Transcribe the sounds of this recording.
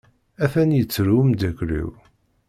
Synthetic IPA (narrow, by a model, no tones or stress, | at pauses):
æfænjət͡sːɾumd̪ækɾḭw